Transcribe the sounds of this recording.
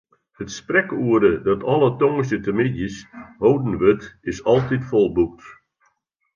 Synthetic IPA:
hətsprɛkuədədɔtʰɔlˠətɔŋəsətəmɪdjəshoːwdn̩ʋøtɪsɔlˠtitfɔlˠbuk̚t

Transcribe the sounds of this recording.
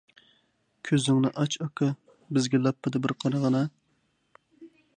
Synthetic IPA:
kʲʰøzɪŋnɨʔɑt͡ʃʰɑkʰɑ | bɪzɡʲɛlˠɑpːɨd̪ɨbɪɾqʰɑɾɑʁɑnɑ

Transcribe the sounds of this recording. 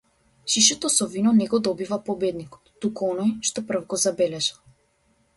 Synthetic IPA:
ʃiʃɛt̪ɔsɔvinɔnɛɡɔd̪ɔbivapɔbɛd̪nikɔ̥t̪ːukuɔnɔjʃt̪ɔpr̩vɡɔzabɛlɛʒa

